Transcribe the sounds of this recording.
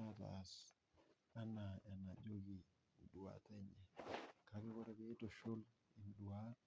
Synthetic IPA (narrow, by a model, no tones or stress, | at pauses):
ata̰ːs | anaanad͡ʒoɡi | ɗuwa̰taɲɛkakiɡɔɾabɛtɔʃol | inɗuwat